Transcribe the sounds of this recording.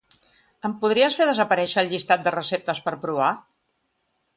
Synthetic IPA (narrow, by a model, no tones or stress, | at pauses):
əmpuð̞ɾiəsfeðəzəpəɾɛʃəːlˠʎist̪at̪̚d̪ərəsep̚t̪əspəɾpɾuβa